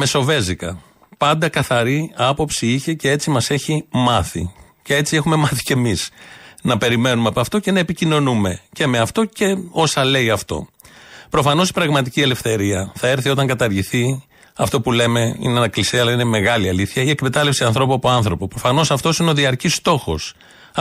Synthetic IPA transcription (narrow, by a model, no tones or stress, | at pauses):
me̞so̞ve̞zikɐ̰ | pɐnd̪ɐkɐθɐɾiɐpo̞psiiçe̞ceet͡simɐse̞çimɐθḭ | ce̞e̞t͡sie̞xume̞mɐθi̥ce̞misnɐpe̞ɾime̞numeɐpɐft̪o̞ce̞nɐepicino̞nume̞ce̞me̞ɐft̪o̞ce̞o̞sɐle̞iɐft̪o̞̰ | pɾo̞fɐno̞si̥pɾɐɣmɐt̪iciele̞fθe̞ɾiɐθɐe̞ɾθio̞t̪ɐŋɡɐt̪ɐɾʝiθi | ɐft̪opule̞me̞ḭneɐnɐklisiɐlɐine̞me̞ɣɐliɐliθçɐie̞kme̞t̪ɐlefsiɐnθɾo̞puɐpo̞ɐnθɾo̞popɾo̞fɐno̞sɐft̪o̞sineoðiɐɾcist̪o̞xo̞s